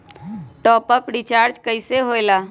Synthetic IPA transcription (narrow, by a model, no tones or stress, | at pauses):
ʈɔːpəpɾit͡ʃaːɾd͡ʒkəɪseɦoelaː